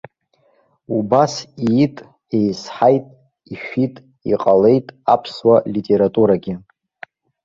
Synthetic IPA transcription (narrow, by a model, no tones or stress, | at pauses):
ubasitʼ | e̞jsħajtʼ | iʃᶣitʼ | iqʼale̞jtʼapʰswalitʼe̞ɾatʼuɾaɡʲɪ